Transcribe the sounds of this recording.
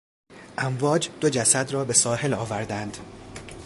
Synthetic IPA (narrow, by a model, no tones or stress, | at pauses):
ʔæɱvɒːd͡ʒd̪od͡ʒæsæd̪rɒːbe̞sɒːhe̞lɒːvæɾd̪ænd̪̥